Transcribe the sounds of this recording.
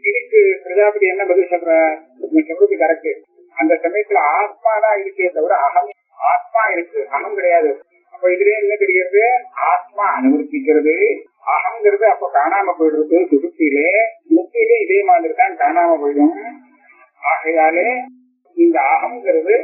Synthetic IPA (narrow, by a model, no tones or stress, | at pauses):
ɪɽɪkːɯpɪɾɐd͡ʒaːpɪɽɪɛnːɐmɐðɪlsɐlkɾɛ̃ː | nisɐkɾɯt̪ːɯkɐɾɐkːɯ | ɐnd̪ɐsɐmɐjɐt̪ːɪlaːt̪̚maːðãːɪɽɯkːeːnd̪ɐʋɐɾɐɐɣɐm | aːt̪̚maːɪɾɯkːɯʔɐɣɐmkɪɽɐjaːðɯ | ɐpːoːɪðɪlẽːɛnːɐt̪ɛɾɪɣɪɾɐðɯaːt̪̚maːɐnɯʋɐɾt̪ːɪkːɪɾɐðɯ | aːɣɐmŋɡɪɾɐðɯɐpːoːkaːnaːmɐpːojɽɾɯkːɯsʊɾɯp̪ːɪjlesʊɯtːɪleːɪðeːmaːnɪɾɯkːãːkaːnaːmɐpoːjɯm | aːɣɐjaːle | ɪnd̪ɐaɣɐmŋɡɪɾɐðɯ